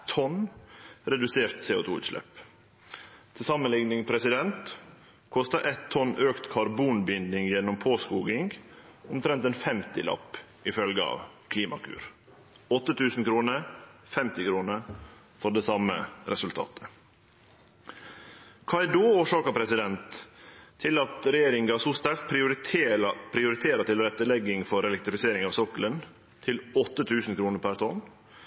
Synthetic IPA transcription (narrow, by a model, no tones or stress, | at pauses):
t̪ʰɔnɾɛd̪ʉseːɾt̪seːʊ̰t̪ʰuːʉ̰ːt̪ʂlɛ̰p | t̪ʰɪlsɑmənlɪŋnɪŋpʰɾɛsɪd̪ɛnt̪ | kʰɔst̪əʔɛt̪ʰːɔnøːkt̪kʰɑɾbuːnbʏnd̪nɪŋjɛnːʊmpʰoːskuːɡɪŋɡʊmt̪ʰɾɛnt̪ɛːnfɛmt̪ɪ̰lɑ̰pː | ɪfœlɡəɑ̰ːʋkʰliːmɑ̰kʰʉ̰ːɾ | ɔt̪ːət̪ʰʉːsn̩kʰɾuːnəɾfɛmt̪ɪkʰɾuːnə | fɔɖɛːsɑmə̰ɾɛsʉlt̪ʰɑ̰ːt̪ʰə̥ | kʰɑɪd̪oːoːʂɑːkəpʰɾɛsɪd̪ɛnt̪ʰː | ɪlɑt̪ɾɛjeːɾɪŋɡɑsɔst̪æɾkt̪̚pʰɾɪʊɾ | pʰɾɪʊɾɪt̪ʰeːɾət̪ʰɪlɾɛt̪ːəlɛɡːɪŋfɔɾɛlɛkt̪ɾɪfɪseːɾɪŋɑːʋsɔkələn | t̪ʰɪlɔt̪ːət̪ʰʉːsn̩kʰɾuːnəɾpʰæɾt̪ʰɔn